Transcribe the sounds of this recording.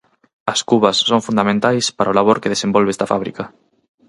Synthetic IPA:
ɐskuβɐsːoŋfund̪amẽnt̪ajspaɾaolaβoɾkeðesembɔlβest̪afa̰βɾḭkɐ

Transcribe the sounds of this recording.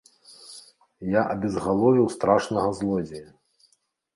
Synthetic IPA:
jaʔɐbʲɛzɣalˠɔvʲiwst̪ɾaʂnɐɣɐzlˠɔd͡zʲɛjɐ

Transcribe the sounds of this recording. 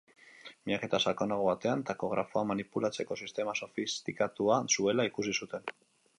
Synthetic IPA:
miɲake̞t̪asakonaɣoβat̪e̞ant̪ako̞ɣɾafo̞amanipulat͡se̞ko̞sist̪e̞maso̞fist̪ikat̪uasue̞laikus̬isut̪e̞n

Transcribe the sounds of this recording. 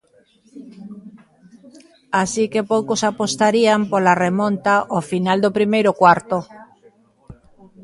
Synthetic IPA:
asikepowkosapost̪aɾiampolaremõnt̪aʔofinald̪opɾimejɾʊkwaɾt̪o

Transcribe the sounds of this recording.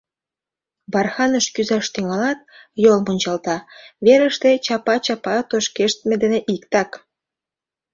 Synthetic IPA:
bɑrxɑnəʃkyzɑʃt̪yŋɑlɑt̪̚jolmonʲt͡ɕɑlt̪ɑβeɾəʃt̪et͡ɕɑpɑt͡ɕɑpɑt̪oʃkeʃt̪med̪eneʔikt̪ɑk

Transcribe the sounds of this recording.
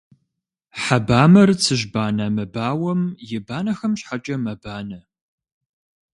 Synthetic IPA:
ħabaːmɐrt͡sʰɨʒbaːnɐmɐbaːwɐmjɪbaːnɐxɐmɕħat͡ʃʼɐmɐbaːnɐ

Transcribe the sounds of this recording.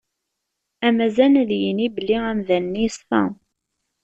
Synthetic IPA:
æmæzænðjənibəlːiæmðænːisθɑ̰

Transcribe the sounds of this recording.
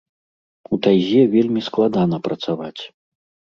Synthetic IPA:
ut̪ajzʲɛvʲelʲmʲisklˠad̪anɐpɾɐt̪savat͡sʲ

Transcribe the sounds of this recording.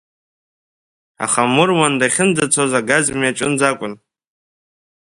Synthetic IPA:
a̰χamʊrwandaχʲɪnd͡zat͡sʰozaɡazmiaʈ͡ʂʼɨnd͡zakʷʼʊn

